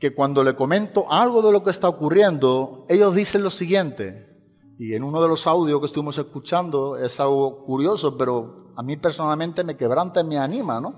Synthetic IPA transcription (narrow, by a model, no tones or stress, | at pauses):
ke̞kwand̪o̞le̞ko̞mẽ̞nt̪oʔalɣ̞oð̞e̞lo̞kest̪aokurje̞nd̪oe̞ʎo̞ɦðiθenlo̞siɣje̞nt̪e̞̰ | ienũnoð̞e̞lo̞sawð̞jo̞hke̞st̪uβimose̞hkut͡ʃand̪oe̞salɣokuɾjo̞sope̞ɾo̞amĩpe̞ɾso̞nalmẽnt̪e̞me̞ke̞β̞ɾant̪ameanĩmanõ